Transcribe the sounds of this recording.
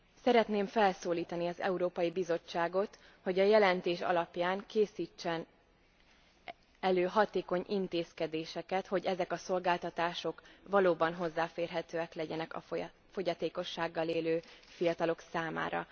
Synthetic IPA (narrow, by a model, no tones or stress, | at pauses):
sɛɾɛt̪neːɱfɛlsoːliːt̪ɒniɒzɛ̰uɾoːpɒjibizo̞t͡ʃːaːɡo̞t̪ | ho̞ɟɒjɛlɛnt̪eːʃɒ̰lɒpjaːŋkeːsiːt͡ʃːɛn | ɛløːɦɒt̪eːko̞ɲint̪eːskɛd̪eːʃɛkɛt̪ho̞ɟɛzɛkɒso̞lɡaːlt̪ɒt̪aːʃo̞kvɒloːbɒnɦo̞zːaːfeːrɦɛt̪øːɛklɛɟɛnɛkɒ̰ | fo̞ɟɒt̪eːko̞ʃːaːɡːɒleːløːfijɒt̪ɒlo̞ksaːma̰ːɾɒ̰